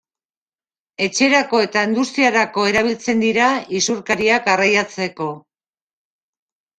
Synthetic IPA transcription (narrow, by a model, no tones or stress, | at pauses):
e̞t͡ʃe̞ɾako̞e̞t̪aind̪ust̪iaɾako̞e̞ɾaβ̞ilt͡se̞nd̪iɾaisuɾkaɾiakarajat͡se̞ko̞